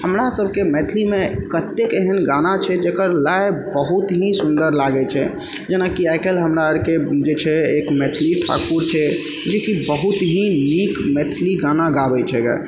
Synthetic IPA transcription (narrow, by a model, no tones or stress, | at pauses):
ɦəmɾasəbʱkemɛt̪ʰlimekət̪ːekeɦənɡanat͡ʃʰɛd͡ʒekəɾlaebəɦut̪ɦĩsund̪əɾlaɡɛt͡ʃʰɛ | d͡ʒenakiaɪkelɦəmɾaəɾked͡ʒet͡ʃʰɛekmɛt̪ʰliʈʰa̰kuɾt͡ʃʰɛ | d͡ʒekibəɦut̪ɦĩnikmɛt̪ʰliɡanaɡabɛt͡ʃʰɛɡa̰